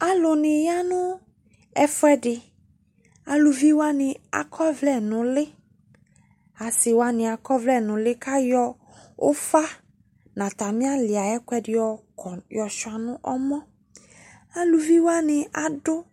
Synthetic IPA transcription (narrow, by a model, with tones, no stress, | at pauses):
a˨lʊ˨nɪ̃˨ja˦nʊ̃˦ | ɛ˦fɛ˦dɪ˨ | a˨lʊ˨vi˦wa˦nɪ̃˨a̰˨kʰɔ˦vlɛ˦nʊ̃˨lɪ˦ | a˨sɪ˨wa˦nɪ̃˨a˨kɔ˦vlɛ˦˨nʊ̃˨lɪ˦ka˦jɔ˦ | ʊ̰˦fa˦ | nã˨t̪a˨mɪ̃˦a˦lɪ˨a˨ɛ˦kwɛ˦dɪ˨ɔ˨ | ɔ˨jɔ˨ʃʊ˨a˨nʊ̃˦ʔɔ˦mɔ̃˦ | a˨lu˨vi˦wa˦nɪ˨a˨dʊ˦